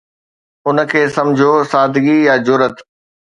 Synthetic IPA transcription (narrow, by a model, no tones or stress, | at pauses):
ʊnə̆kʰeːsɐ̃md͡ʑʱosaːd̪ɡijad͡ʑʊɾət̪